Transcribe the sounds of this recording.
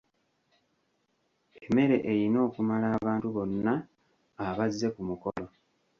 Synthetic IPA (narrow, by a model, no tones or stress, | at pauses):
eeme̞ɾe̞̰ʔejino̞ːkumalaːβaːntuβo̞nːaː | βazːe̞kumukolo̞